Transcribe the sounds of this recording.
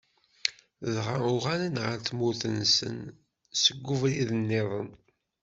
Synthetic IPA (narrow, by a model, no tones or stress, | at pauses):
ðʁaʊʁalənʁəɾθmuθənsə̰n | səɡʷːuvɾiðənːeðˤən